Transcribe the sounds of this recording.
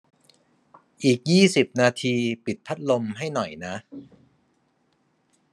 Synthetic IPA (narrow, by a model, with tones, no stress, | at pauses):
ʔiː˨˩k̚jiː˥˩si˨˩p̚naː˧t̪ʰiː˧pi˨˩t̪̚pʰa˦˥t̪̚lo˧mɦa˥˩jnɔ˨˩jna˦˥ʔ